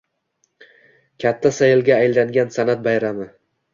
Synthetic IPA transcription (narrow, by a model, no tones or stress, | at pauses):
kʲʰat̪ʰːasajɪlɡʲaːjlaŋɡʲansanat̪̚bajɾamɪ